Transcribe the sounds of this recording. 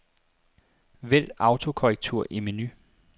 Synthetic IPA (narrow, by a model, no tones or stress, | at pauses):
ʋel̰ɑ̈ʊt͡sʰo̝kʰɒʁɛɡ̥̚t͡sʰuɐ̰ʔiminy